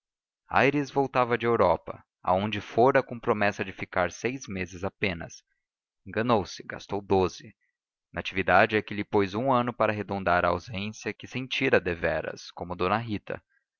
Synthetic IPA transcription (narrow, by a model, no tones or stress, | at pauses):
a̰jɾizvowt̪avɐd͡ʒɪewɾɔpɐ̰ | a̰õd͡ʒɪfoɾɐkõpɾomɛsɐd͡ʒɪfikaɾsejzmezɪzapẽnɐ̰s | ẽŋɡɐnowsɪ̥ɡa̰st̪owd̪ozɪ | nat͡ʃivid̪ad͡ʒɪɛkɪlɪpojzũɐ̃nʊpaɾɐɦed̪õnd̪aɾɐa̰wzẽsjɐkɪsẽnt͡ʃiɾɐd̪evɛɾɐ̰skõmʊd̪õnɐɦit̪ʰɐ̰